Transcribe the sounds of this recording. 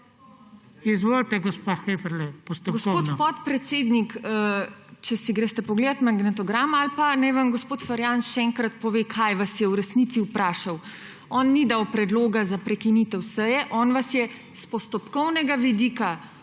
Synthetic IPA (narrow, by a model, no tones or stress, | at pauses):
izʋolt̪ɛɡɔspaxefɛɾlɛpɔst̪ɔɡosoːt̪pɔt̪pɾɛt̪seːd̪nikət͡ʃɛsiɡɾest̪ɛpɔɡleːd̪at̪maɡnɛt̪ɔɡɾaːmalpanajʋamɡospoːt̪faɾjanʃɛɛŋkɾat̪pɔʋeːkʰajʋasjɛwɾɛsnit̪siupɾaːʃaw | ɔnːid̪awpɾɛd̪loːɡazapɾɛkinit̪ɛwsəjɛʔɔːnʋasjɛ | spɔst̪ɔpkɔwnɛɡaʋid̪iːka